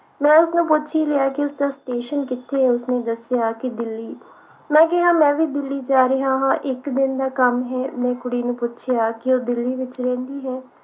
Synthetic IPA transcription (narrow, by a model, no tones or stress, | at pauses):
mɛ̃ːʊsnũːpʊtːʃʰiːlejaːkɪʊsd̪aːsʈeːʃənkɪt̪ʰːeːʊsneːd̪əsɪjaːkɪd̪ɪlːiː | mɛ̃ːk̬ɪɦaːmɛ̃ːʋiːd̪ɪlːiːd͡ʒaːɾəɦaːɦãːʔɪkd̪ɪnd̪aːkəmɦɛːmɛ̃ːkʊɽiːnũːpʊtːt͡ʃʰɪjaːkɪoːd̪ɪlːiːʋɪt͡ʃɾɛ̃ːnd̪iːɦɛː